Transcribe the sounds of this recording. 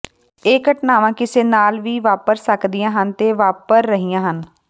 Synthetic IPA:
eːkəʈnaːʋãːkɪseːnaːlʋiːʋaːpəɾsəkd̪ijãːɦənt̪eːʋaːpəɾːəɦijãːɦən

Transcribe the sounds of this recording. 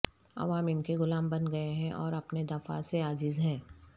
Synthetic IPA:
ɐ̰ʋaːmɪnkeɣʊlaːmbɐnɡɐeɦɛ̃ʔɔːɾɐpned̪ɐfa̰seaːd͡ʒɪzɦɛ̃ː

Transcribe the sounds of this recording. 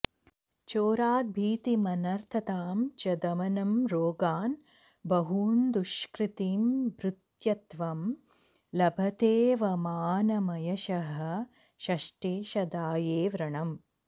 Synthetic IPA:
t͡ʃoːɾaːt̪̚bʱiːt̪imɐnɐɾt̪ʰɐt̪aːmt͡ʃɐd̪ɐmɐnɐmɾoːɡaːn | bɐɦuːnd̪uʃkɾit̪iːmbɾɪt̪jɐt̪ʋɐm | lɐbʱɐt̪eːʋɐmaːnɐmɐjɐʃɐɦɐ̆ | ʃɐʃʈeːʃɐd̪aːjeːʋɾɐɳɐm

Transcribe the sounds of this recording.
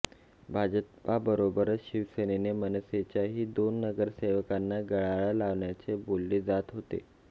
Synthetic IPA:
bʱad͡ʑəppabəɾobəɾəɕiʋsenenemənəset͡ɕjaɦiːd̪onːəɡəɾseʋəkanːaɡəɭaɭalaʋɳjat͡sebolːeːd͡zat̪ɦot̪ḛ

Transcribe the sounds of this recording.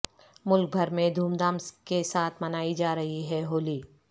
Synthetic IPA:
mʊlk̚bʱɐɾmẽd̪ʱuːmd̪aːmskesaːt̪ʰmɐnaːid͡ʒaːɾɐɦiɦɛɦoːliː

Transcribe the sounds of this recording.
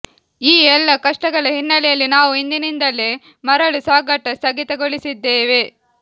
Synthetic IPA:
iːɛlːɐkɐʂʈɐɡɐɭɐɦinːɐlɛjɐlːinaːʋuind̪inind̪ɐlːeː | mɐɾɐɭusaːɡɐʈːɐst̪ɐɡit̪ɐɡoɭisid̪ːeːʋe

